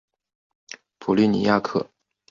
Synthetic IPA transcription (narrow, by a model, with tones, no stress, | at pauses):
pʰu˨˩ly˥˩nḭ˨˩ja˥˧kʰɤ˥˩